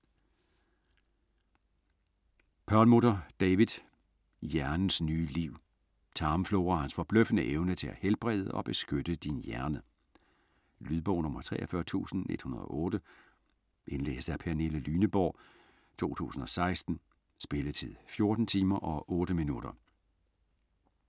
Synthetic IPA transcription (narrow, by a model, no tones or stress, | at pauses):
pʰɒlmodɐd̥ɛʋið̥ˠ | jæɐnn̩snyːliʊ̰ | t͡sʰɑ̈ːmflo̝ʊʁɐhænsfɒ̽b̥løfənəʔeʊnət͡sʰe̝æhelb̥ʁɛð̰ˠəʔɒ̽b̥e̝sɡ̥ød̥əd̥injæɐnə | lyðˠb̥ɒʊnɔ̽mɐt͡sʰʁɛ̰ːʔɐfɶɐt͡sʰṵːsn̩e̝d̥hunɐð̞ˠɒ̽ʔɔ̽ːd̥ə | ʔe̝nlḛːsd̥æɐpʰæne̝ləlyːnəb̥ɒ̰ː | t͡sʰo̝̰ːt͡sʰṵːsn̩ɒ̽sɑ̈ɪsd̥n̩ | sb̥e̝lət͡sʰið̰ˠfjo̝ɐd̥n̩t͡sʰiːmɐʔɒ̽ʔɔ̽ːɾ̥əminud̥ɐ